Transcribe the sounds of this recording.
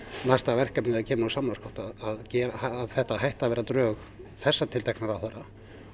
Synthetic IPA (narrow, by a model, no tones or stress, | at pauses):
nast̪avɛr̥kapnðacʰɛːmɪnasaːmlaskɔht̪aðaðcɛːɾaaːðθɛht̪aɦajht̪avɛːɾat̪ɾœːx | θɛsːat̪ʰɪlt̪ʰajknaɾawθɛɾa